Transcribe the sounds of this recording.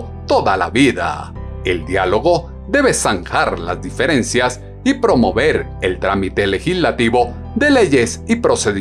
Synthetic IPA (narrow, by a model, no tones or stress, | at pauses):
t̪oðala̰βiða̰ | e̞ld̪jalo̞ɣo̞ | ðe̞βe̞saŋxaɾla̰zd̪ife̞ɾensjas | ipɾo̞mo̞βe̞ɾ | e̞lt̪ɾamit̪e̞le̞xizlat̪iβo̞ | ðe̞le̞ʝe̞sipɾo̞se̞ði